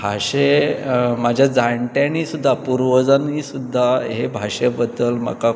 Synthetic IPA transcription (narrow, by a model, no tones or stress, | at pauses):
bʱaɕe | mad͡ʑʱjad͡zaɳʈjãnisud̪ʱːapuɾʋəd͡zanisud̪ʱːaɦebʱaɕebəd̪əlmə̰ka